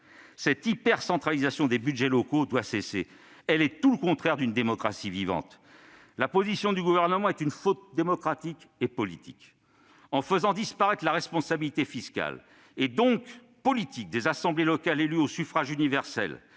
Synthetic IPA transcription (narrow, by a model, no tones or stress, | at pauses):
sɛt̪ipɛʁsɑ̃t̪χalizasjɔ̃d̪ebyd̪ʒɛlɔkod̪wasesḛ | ɛlɛt̪uləkɔ̃t̪χɛʁd̪ynd̪emɔkχasivivɑ̰̃t̪ | lapozisjɔ̃d̪yɡuvɛʁnəmɑ̃ɛt̪ynfot̪̚d̪emɔkχat̪ikepɔlit̪ʰḭk | ɑ̃fəzɑ̃d̪ispaʁɛt̪laʁɛspɔ̃sabilit̪efiskʲa̰l | ed̪ɔ̃k | pɔlit̪ik̚d̪ezasɑ̃blelɔkalelyosyfχaʒynivɛʁsɛ̰l